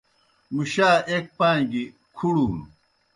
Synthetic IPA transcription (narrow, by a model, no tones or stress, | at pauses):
muɕaːʔek̚pãːŋɡi | kʰuɽuːn